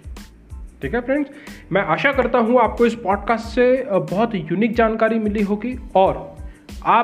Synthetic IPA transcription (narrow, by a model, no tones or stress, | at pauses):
ʈʰiːkɛpɾẽŋsmɛ̃ʔaːʃakɐɾt̪aɦũaːp̚koɪspɔːɖkaːsʈsebɔɦʊt̪juniːk̚d͡ʒaːnkaːɾimɪliɦoːɡiɔːɾ | aː